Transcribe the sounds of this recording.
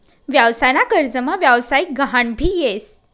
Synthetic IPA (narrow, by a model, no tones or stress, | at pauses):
ʋjaʋsaɾakəɾd͡zəmaʋjaʋsajik̚ɡʱəɦaɳbʱiːjes